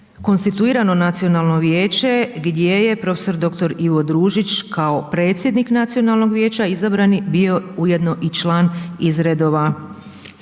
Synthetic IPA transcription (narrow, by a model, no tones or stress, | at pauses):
ko̞nst̪it̪uiːɾano̞nat̪sijo̞nalˠno̞ʋje̞ːt͡ɕe̞ɡd̪je̞je̞pɾo̞feso̞ɾd̪o̞kt̪o̞ɾiʋo̞d̪ɾuːʒit͡ʃkʰaopɾe̞ːt̪sʲjed̪niknat̪sijo̞nalˠno̞ɡʋje̞ːt͡ɕaizabɾanibio̞uje̞d̪no̞ʔit͡ʃlˠaːnizɾed̪o̞ːʋa